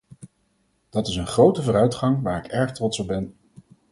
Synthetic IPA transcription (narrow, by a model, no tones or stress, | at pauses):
d̥ɑtɪsənχrowtəvʊːɾœɥtχɑŋʋaːɹɪkɛɹχtrɔtsɔb̚bɛn